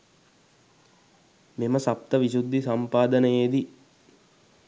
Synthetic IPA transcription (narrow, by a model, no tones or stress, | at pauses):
meməsap̚t̪əʋisud̪ːisampaːd̪ənəjeːd̪i